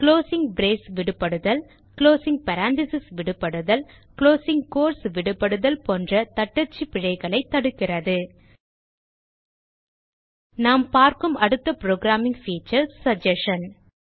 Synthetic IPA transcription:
kɭoːsɪŋɡbɾeːsʋɪɽɯpːɐɽɯðɐl | kloːsɪŋɡ̚pɐɾaːnt̪ɪsɪsʋɪɽɯpːɐɽɯðɐl | kɭoːsɪŋɡkoːɾsʋɪɽɯpːɐɽɯðɐlpoːndrɐt̪ɐʈːɐt͡ʃːipɪɻɐɪɣɐɭɐɪt̪ːɐɽɯkːɪrɐðɯ | naːmpaːɾkɯmɐɽɯt̪ːɐpɪɾoːɡɾaːmɪ̃ŋɡfiːt͡ʃɐɾsːɐd͡ʒɛʂɐn

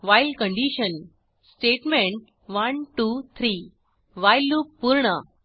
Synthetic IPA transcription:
ʋajlkəɳɖiɕən | sʈeʈmẽɳʈ̚ | ʋənʈut̪ʰɾi | ʋajluppːuɾɳə

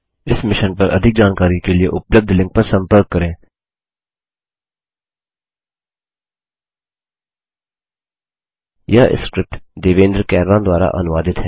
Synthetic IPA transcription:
ɪsmɪʃənpəɾʔə̰d̪ʱɪk̚d͡ʒaːnkaːɾikelɪḛʔʊpləb̚d̪ʱlɪ̃ŋk̚pəɾsə̃mpəɾkːəɾẽː | jaːʔɪ̰skɾɪp̚ʈd̪eːʋẽːnd̪ɾkɛːɾɾãːd̪waːɾa̰ʔə̰nʋaːd̪ɪt̪ɦɛː

